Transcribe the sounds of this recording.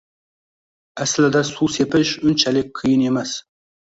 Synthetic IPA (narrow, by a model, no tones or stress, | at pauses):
æslɪd̪æsusepɪʃʊnt͡ʃʰælɪk̚ʲqʰɨjɪnemæs